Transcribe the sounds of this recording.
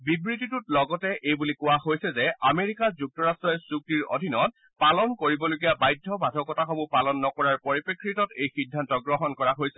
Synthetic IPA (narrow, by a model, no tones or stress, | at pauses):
bibɹititutlɔɡɔtɛʔejbulikʊwaɦojsɛzɛameɹikazuk̚tɔɹastɹɔjsuk̚tiɹo̰dʱinɔt̚ | palɔnkoɹibɔloɡijabajdʱːɔbʱadʱɔkɔtaxobupalɔnːɔkɔɹaɹpɔɹipekʰɹitɔtejxidʱːantɔɡɹɔɦɔnkɔɹaɦojsɛ̥